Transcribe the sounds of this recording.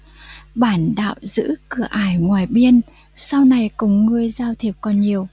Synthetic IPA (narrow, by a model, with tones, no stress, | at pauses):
ɓaː˧˩nɗa̰ː˧˨wzɨ̰˧˥kɨ˨˧˩əʔaː˧˩jŋwaː˨˩jɓi˧ən | sa˧wna˨˩jkʊ˧˩ŋ͡mŋɨ˧˩əjzaː˧wt̪ʰi˨˩p̚kɔ˨˩nɲi˨˩əw